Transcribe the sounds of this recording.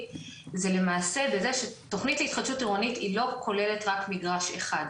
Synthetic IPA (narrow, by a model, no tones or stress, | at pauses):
ze̞le̞maːse̞bezeʃeto̞χnitleitχad̪ʃutiʁonitilo̞kʰo̞le̞le̞tʁakmiɡʁaʃḛχad